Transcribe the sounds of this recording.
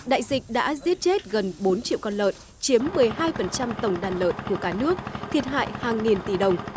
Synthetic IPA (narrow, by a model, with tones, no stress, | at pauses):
ɗa̰ː˧˨jzï˨˩k̟̚ɗa̰ː˧˥zi˦˥ət̚t͡ɕe˦˥t̚ɣə˨˩nɓo˨˦nt͡ɕḭ˧˨əwkɔ˧nlə̰ː˧˨n | t͡ɕi˨˦əmːɨ˨˩əjhaː˧jfə˨˩nt͡ɕa˧mt̪ə˨˩wŋ͡mɗaː˨˩nlə̰ː˧˨nku˧˩əkaː˧˩nɨ˦˥ək̚t̪ʰi˨˩ət̚ɦa̰ː˧˨jhaː˨˩ŋːi˨˩nt̪i˧˩ɗə˨˩wŋ͡m